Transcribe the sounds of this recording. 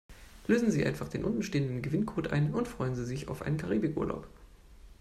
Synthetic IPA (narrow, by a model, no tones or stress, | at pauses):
løːzn̩ziːʔa̰ɪnfaχd̥eːnʔʊntn̩ʃteːəndən̩ɡəvɪnkʰoːtʔa̰ɪnʊntfʁ̥ɔʏənziːzɪça̰ʊfʔa̰ɪnənkʰaʁiːbɪkʔṵːɐlʔa̰ʊp